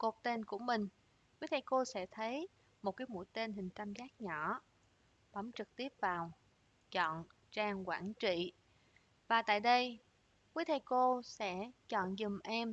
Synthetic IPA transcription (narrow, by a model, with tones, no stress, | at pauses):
ko˨˩t̪e˧nku˧˩əmï˨˩ŋ̟ | kwi˨˦˥t̪ʰa˧jko˧sɛ̰˧˥t̪ʰə˨˦j | mo˨˩t̚kaː˨˦jmṵ˧˥jt̪e˧nhï˨˩ŋ̟t͡ɕ̪a˧mzaː˦˥k̚ɲɔ˧˩ | ɓɔ˨˦mt͡ɕɨ˨˩k̚t̪i˦˥əp̚vaː˨˩w | t͡ɕɔ̰˧˨n | t͡ɕaː˧ŋkwa̰ː˧˩nt͡ɕḭ˧˨ | vaː˨˩t̪a̰ː˧˨jɗə˧j | kwi˨˦˥t̪ʰa˧jko˧sɛ̰˧˥t͡ɕɔ̰˧˨nzɨ˨˩mʔɛ˧m